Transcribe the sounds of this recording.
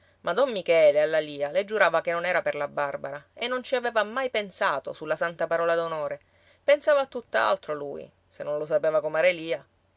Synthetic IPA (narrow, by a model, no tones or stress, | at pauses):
mʔad̪ɔmːikɛːlealːaliːaled͡ʒːuɾaːvakenːonɛːɾaperlabːarbaɾaenːont͡ʃiaveːvamajpensaːt̪o̰sulːasant̪apaɾɔːlad̪onoːɾe | pensaːvaːt̪ːut̪ːaa̰lt̪ɾolṵːj̰ | senːõnlos̬apeːvakomaɾeliːa